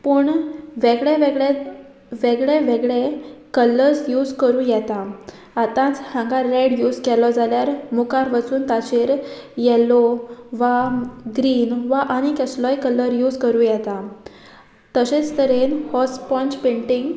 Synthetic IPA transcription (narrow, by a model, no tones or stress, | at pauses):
pəɳʋeɡɭeʋeɡɭe | ʋeɡɭeʋeɡɭekələɾsjud͡zkəɾũːjɛt̪aː | t̪ãt͡shãŋɡaɾːɛɽjud͡zkɛlɔd͡zaljaɾmukaɾʋət͡suːnt̪at͡ɕeɾjɛlɔʋaɡɾiːnʋaʔaɽ̃ikɛslɔjkələɾjuːd͡zkəɾũːjɛt̪a | t̪əɕẽt͡st̪əɾenhɔspɔ̃nt͡ɕpẽɳʈiŋɡ